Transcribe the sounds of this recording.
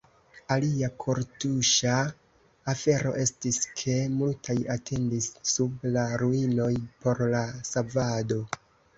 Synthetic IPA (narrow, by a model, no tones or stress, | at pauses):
aliakʰo̞ɾtuʃaː | fe̞ɾo̞̰ʔe̞stiskʰe̞multʰajatʰe̞ndisːublaɾuino̞jpo̞ɾlasavado̞